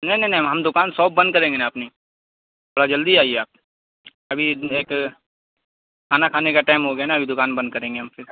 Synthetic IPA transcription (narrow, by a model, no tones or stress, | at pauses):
nɐinɐɦinɦɦɐmd̪ʊkaːnsɔːb̚bɐ̃nd̪̚kɐɾẽːŋɡenaːpni | ɐɽad͡ʒɐld̪iaːiɛaːp̚ | ɐbʱieːk | kʰaːnakʰaːnekaʈaːɪmɦoɡɐjanaɐbʱid̪ʊkaːnbɐ̃nd̪̚kɐɾẽːŋɡeɦɐmfɪɾ